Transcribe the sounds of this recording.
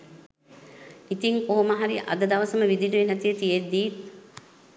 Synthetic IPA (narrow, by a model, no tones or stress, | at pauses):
it̪iŋkoɦomɐɦaɾiʔɐ̰d̪əd̪ɐʋɐsəməʋid̪iluʋenæt̪ijət̪ied̪ːiː